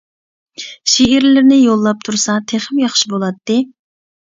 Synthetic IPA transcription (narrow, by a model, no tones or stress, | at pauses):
ʃeiɾlɪɾnɪjolˠːɑp̚t̪ʰuɾsɑt̪ʰeχɪmjɑχʃibolˠɑt̪ːɨ